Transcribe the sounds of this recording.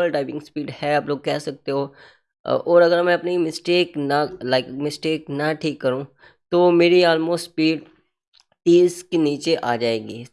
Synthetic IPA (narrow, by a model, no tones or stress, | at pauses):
əlɖaːɪʋɪ̃ŋɡspiːɖhɛaːploːɡ̚kɛːsɐk̚t̪eɦoː | ɔːɾɐɡəɾmɛ̃ɐpnimɪsʈeːknɐlaɪkmɪsʈeːknɐʈʰiːkːɐɾũː | t̪oːmeːɾiaːlmoːsʈspiːɖ | t̪iːzkeniːt͡ʃeʔaːd͡ʒaːeːɡiː